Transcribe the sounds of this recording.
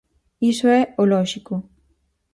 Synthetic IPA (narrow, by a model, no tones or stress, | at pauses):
isoɛolɔʒiko